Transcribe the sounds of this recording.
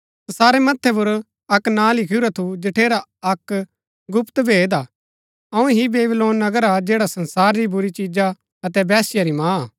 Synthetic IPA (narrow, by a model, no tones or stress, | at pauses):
sɐsaːɾemɐt̪ʰːɛp̬ʊɾ | ɐknãːlɪkʰɪuɾat̪ʰud͡ʒɪʈʰeːɾaɐk | ɡʊpt̪bʱeːd̪aː | ɐũɦibeːbloːnːɐɡəɾad͡ʒeːɽasɐnsaːɾɾibʊɾit͡ʃiːd͡ʒa | ɐt̪ɛbɛːsɪjaɾimãː